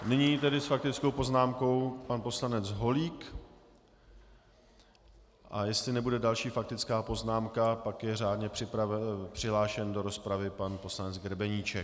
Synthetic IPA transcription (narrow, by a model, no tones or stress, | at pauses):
nɪɲiːt̪ɛdɪsfak̚t̪ɪt͡skowpo̞znaːmko̞wpanpo̞slanɛt͡sɦo̞liːk | ʔajɛst̪lɪnɛbudɛdalʃiːfak̚t̪ɪt͡skaːpo̞znaːmkapakjɛraːdɲɛpr̝̥ɪpɾavɛpr̝̥ɪɦlaːʃɛndo̞ɾo̞spɾavɪpanpo̞slanɛd͡zɡɾɛbɛɲiːt͡ʃɛ